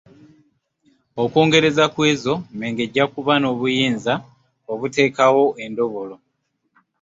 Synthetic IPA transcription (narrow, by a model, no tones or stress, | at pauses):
oko̞ːŋɡe̞ɾe̞zakwe̞ːzo̞me̞ŋɡe̞ɟːakuβano̞ːβujiːnza | oβute̞ːkawo̞ʔe̞ndo̞βo̞lo̞